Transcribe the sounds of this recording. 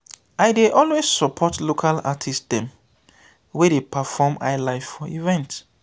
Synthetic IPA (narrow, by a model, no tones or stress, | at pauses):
aɪdeʔɔlwezsɔpʰɔtlokʰala̰tʰistdɛ̃m | wedepʰafɔma̰ɪlaɪffɔivɛ̃nt